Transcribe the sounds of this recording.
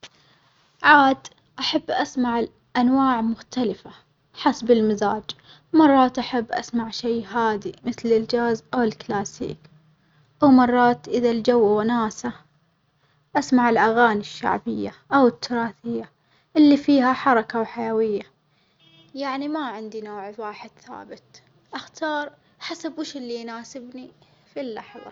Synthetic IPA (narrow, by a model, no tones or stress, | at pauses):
ʕaːd̪ | ʔaħabːʔasmaʕɪ | ʔanwaːʕmʊxt̪alɪfa | ħasbɪlmazaːd͡ʒ | mɑrˤːɑːt̪ʔaħabːʔa̰smaʕʃeːɦaːd̪imɪθlɪld͡ʒaːzʔawɪlklaːsḭːk | ʔawmɑrˤːɑːt̪ʔɪðald͡ʒawːawanaːsa | ʔasmaʕɪlʔaɣaːniʃːa̰ʕbɪjːaʔawɪt̪ʰːʊɾˤɑːθɪjːa | ʔɪlːifiːhaħɑɾˤɑkawħajawɪjːa | jaʕnimaʕɪnd̪inoːʕwaːħɪd̪̥θa̰ːbɪt̪ | ʔaxt̪ɑːɾˤ | ħasabwɪʃɪlːijnaːsɪbni | filːaħðˤɑ̰